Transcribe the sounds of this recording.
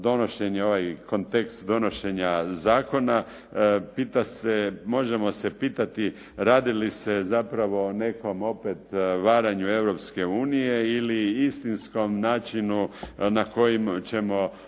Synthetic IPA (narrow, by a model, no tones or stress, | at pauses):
d̪o̞no̞ʃe̞ɲeo̞ʋajko̞nt̪e̞kst̪d̪o̞no̞ʃe̞ɲazaːko̞na | piːt̪asemo̞ʒe̞mo̞sepiːt̪at̪i | ɾaːd̪ilisezapɾaʋo̞ne̞ko̞mo̞pet̪ʋaːɾaɲue̞ʋɾo̞pske̞uːnijeiliist̪insko̞mnaːt͡ʃinunako̞jimt͡ɕe̞mo̞